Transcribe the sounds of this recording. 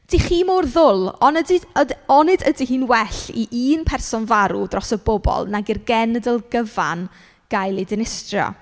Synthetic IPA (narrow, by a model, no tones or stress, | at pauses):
d̥iχiːmorðʊlˠɔnədiɔnɪdədiɦiːnwɛɬiʔiːnpʰɛrsɔnvaɾṵdrɔsəbɔbɔ̰lˠnaɡirɡɛnədəlˠɡəva̰n | ɡ̥ajlˠidɪnɪstrjɔ̰